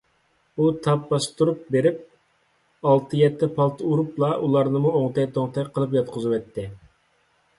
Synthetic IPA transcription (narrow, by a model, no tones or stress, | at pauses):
ut̪ʰɑp̚bɑst̪uɾup̚beɾɪp̚ | ɑlˠt̪ʰɨjɛt̪ʰːɛpʰɑlˠt̪ʰɨuɾuplˠɑʔulˠɑɾnɨmuoŋt̪ʰɛjt̪ʰoŋt̪ʰɛjʲqʰəlˠɨp̬jɑt̪̚qʰʊzɨwɛt̪ʰːɪ